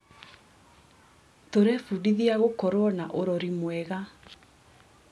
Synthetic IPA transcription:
toɾɛfudiðiaɣokɔɾwɔnaʔoɾɔɾimwɛɣa

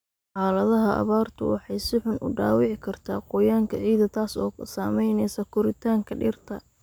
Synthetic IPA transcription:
ħaːlɐðɐɦɐʔɐ̰βaːrt̪ʰʊ̰wɑ̰ħɑjsɪħʊnʔʊ̰ɖa̰ːwɪʕɪkʰɐrt̪ʰaːqɔːjaːŋkʰɐʕiːðɐt̪ʰaːsɔ̰ːsaːmɛjnɛjsɐkʰʊɾɪt̪ʰaːŋkʰɐɖɪ̰rt̪ʰɐ

